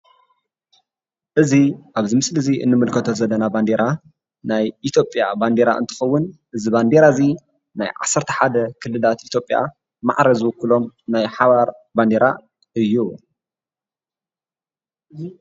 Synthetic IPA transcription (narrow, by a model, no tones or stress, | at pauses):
ʔɨziʔaβzimɨslɨziʔɨ̰nːɨmɨlkʰɐt̪ʰo̞zɐlːɐnaband̪e̞ɾa | najʔit̪ʰjo̞pʼja̰band̪e̞ɾa̰ʔɨ̰nt̪ʰɨ̥xɐwːʊnʔɨziband̪eɾazi | na̰jʕa̰sːɐɾt̪ʰɐ̥ħad̪ɐkʰɨlːɨlat̪ʔit̪ʰjopʼja̰ | ma̰ʕɾɐzɨwʊkːɨlo̞mnajħaβaɾband̪eɾa̰ | ɨjːu